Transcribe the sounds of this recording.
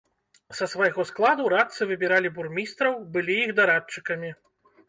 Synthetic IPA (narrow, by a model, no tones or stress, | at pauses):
sɐsvajɣɔsklˠad̪uɾat̪sɨvɨbʲiɾalʲiburmʲist̪ɾɐwbɨlʲijixd̪aɾat͡ʂːɨkɐmʲi